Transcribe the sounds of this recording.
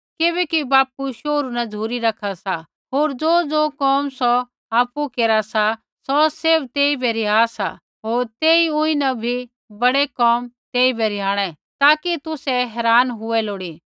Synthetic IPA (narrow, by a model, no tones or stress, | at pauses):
kɪbɛːkibaːpuʃoːɾunɐd͡zʱuːɾiɾɐkʰasa | ɦoːɾd͡zoːd͡zoːkɔːmsɔ | aːpukeːɾasa | sɔseɾbt̪eːibʱɛɾɪjaːsa̰ | ɦoːɾt̪eːiʊ̃ĩnɐbʱi | bɐɽekɔːmt̪eːibʱɛɾɪjaːɽ̃ɛ | t̪aːkit̪ʊsɛɦɛːɾaːnɦʊɛloːɽiː